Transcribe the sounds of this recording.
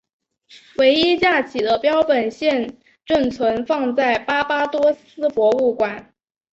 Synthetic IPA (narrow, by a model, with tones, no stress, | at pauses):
we˧˥ɪi˥t͡ɕja˥˩t͡ɕʰi˨˩d̪ə˦pjɑ˥ʊpə˨˩nɕjɛ˥˧n | ʈ͡ʂə˥˩nt͡sʰwə˧˥nfɑ˥˧ŋt͡sa˥˩ɪpa˥pa˥t̪wɔ˥sɹ̩˥pwɔ˧˥u˥˩kwa˨˩˦n